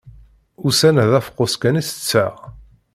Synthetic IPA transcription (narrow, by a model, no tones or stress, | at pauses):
ʊsænæðæfqːoskænisə̥t͡sːæʁ